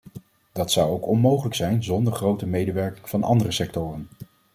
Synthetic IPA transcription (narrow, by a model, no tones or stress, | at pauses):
d̥ɑtsɑwowkɔnmowχələksɛjnzɔndəɹχrowtəmejdəʋɛɹkɪŋv̥ɑnɑ̰ndərəsɛktʊːrən